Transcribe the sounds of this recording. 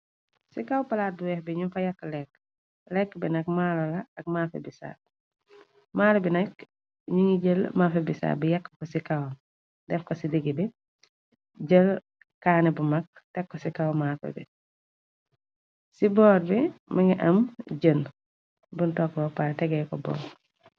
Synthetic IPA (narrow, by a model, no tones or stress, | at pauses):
sikawpalaːt̚duwɛhbiɲumfɐjɐkːlɛk | lɛkːbinɐkmaːlɔlɐɐk̚maːfebisa̰ | maːlobinɐk | ɲuŋiɟəlmaːfebisa̰bijɐkːkɔsikaw | dɛfkɔsidiɡibi | ɟəl | kaːnɛbumɐk̚ | tɛkːɔsikawmafɛ̰bḭ | sibɔːɾbimɐŋiʔɐmɟən | buntɔkːɔpaɾtɛɡɛjkɔbɔ̰ːŋ